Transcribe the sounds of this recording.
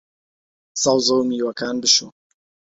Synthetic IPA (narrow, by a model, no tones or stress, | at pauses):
sɑwzowmiːwɐkaːnbɨʃo